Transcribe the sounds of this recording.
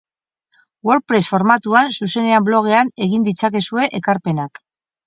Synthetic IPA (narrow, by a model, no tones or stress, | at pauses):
wo̞ɾpɾe̞sfo̞ɾmat̪uansuse̞ne̞amblo̞ɣ̞e̞ane̞ɣind̪it͡sake̞sue̞ʔekaɾpe̞nak